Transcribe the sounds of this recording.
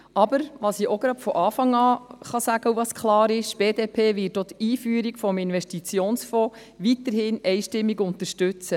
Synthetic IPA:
ʔɑbəɾʋɑsiʔoɡɾɑtfɔʔɑːfɑŋɑːχɑsæɡ̥əuʋɑskχlɑːɾɪʃb̥eːdeːpʰeːʋɪtot̪iːfyːəɾikfɔmɪnʋɛʃtit͡sjoːnsfɔː | ʋit̪əɾhɪnɛjʃtɪmːiɡʊnt̪əɾʃtʉt͡sə

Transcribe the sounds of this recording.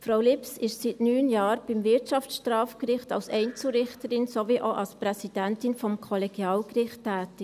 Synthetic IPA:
fɾaʊlɪpsɪʃsitnyːnjɑːɾb̥ɪmvɪtt͡ʃɑftʃtrɑːfkɾɪχtɑ̰lsɛɪnt͡sl̩ɾɪχtəɾɪnsoviʔoʔɑlsprɛsid̥ɛntɪnfɔmkʰɔlɛɡ̥jɑːlkrɪχtːɛːtɪ

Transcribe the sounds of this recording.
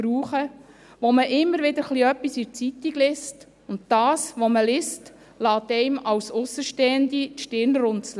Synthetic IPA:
ɾuːχə | ʋoməʔɪmːəɾʋɪd̪əɾχliœpːisɪɾt͡sit̪ːiɡ̥lɪst | ʊnt̚d̥ɑːsʋoməlɪst | lɑːt̪ɛɪmɑwsʊsːəʃteːənd̪iʃtɪɾnɾʊnsl

